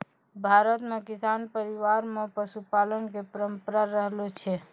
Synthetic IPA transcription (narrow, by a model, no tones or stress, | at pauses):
bʱaɾət̪mekisanpəɾiʋaɾmepəʃupalənkepəɾəmpəɾaɾəɦlot͡ʃʰɛ